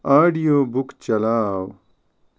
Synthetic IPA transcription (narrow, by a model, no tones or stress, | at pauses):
aːɖijoːbukt͡ɕɐlaːw